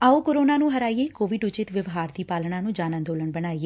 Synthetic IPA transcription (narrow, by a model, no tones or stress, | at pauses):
aːoːkoɾoːnaːnũːɦəɾaːieːkoːʋɪɖʊt͡ʃɪt̪ʋəʋɦaːɾd̪iːpaːlɳãːnũːd͡ʒaːnə̃nd̪oːləɳbəɽ̃aːieː